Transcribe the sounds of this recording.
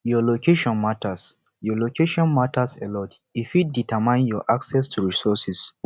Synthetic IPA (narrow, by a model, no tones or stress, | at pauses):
jɔlokʰeʃɔ̃nmatas | jɔlokeʃɔ̃nmatasɛlɔt | ifit̚ditʰamãnjɔʔaksɛstʰuɹisɔsis